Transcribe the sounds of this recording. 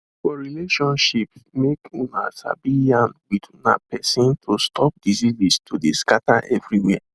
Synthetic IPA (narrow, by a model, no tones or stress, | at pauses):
fɔɹileʃɔ̃nʃipmekunasa̰biãnwituna̰pɛsĩntʰostʰɔp̚dizizistʰodeskataʔɛvɹiwɛ